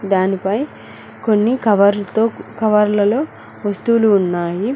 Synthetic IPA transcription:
d̪aːnipɐj | ko̞nːikɐʋɐɾt̪oːkɐʋɐɾlɐlo̞ː | ʋɐst̪uːluːnːaːji

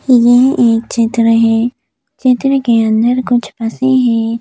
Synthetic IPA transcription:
jeɦʔeːk̚t͡ʃɪt̪ɾəɦɛ̃ː | t͡ʃɪt̪ɾəkeə̃nd̪əɾkʊt͡ʃʰpɐseɦɛ̃ː

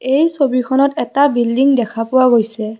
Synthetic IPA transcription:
ejsobikʰɔnɔtɛtabildiŋdɛkʰapʊwaɡojsɛ

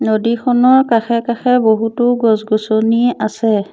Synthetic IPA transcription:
nodikʰɔnɔɹkaxɛkaxɛboɦutʊɡɔsɡɔsoniasɛ

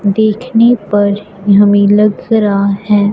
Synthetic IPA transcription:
d̪eːkʰnepɐɾ | jɦɐmilɐɡɾahɛː

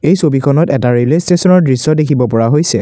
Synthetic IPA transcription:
ejsobikʰɔnɔtɛtaɹilestesɔnɔɹdɹisɔdekʰibɔpɔɹaɦojsɛ

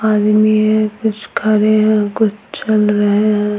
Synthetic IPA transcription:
aːd̪miɦɛ̃kʊt͡ʃʰkʰɐɾeɦɛ̃kʊt͡ʃʰt͡ʃɐlɾɐɦẽɦɛ̃

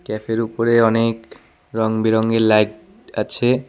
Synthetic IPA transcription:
kɛfʰeɾupoɾeɔnek | ɾɔŋbiɾɔŋɡeɾlajʈ | at͡ɕʰe

